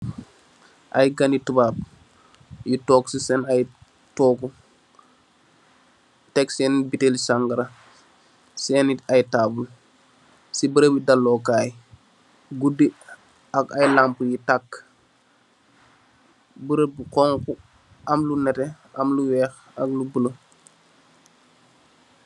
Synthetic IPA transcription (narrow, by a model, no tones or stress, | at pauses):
ʔɐ̰jɡanitəbaːp̚ | jitɔːksisɛnaj | tɔːku | tɛksɛːnibitelsaŋɡɐɾɐ | sɛːnitajtaːbul | sibəɾəbidɐlːɔːkaːj | ɡudi | ɐkɐjlampujitakː | buɾəbukɔŋku | ɐmlunɛtɛ | ɐmluwɛːx | ɐklubulo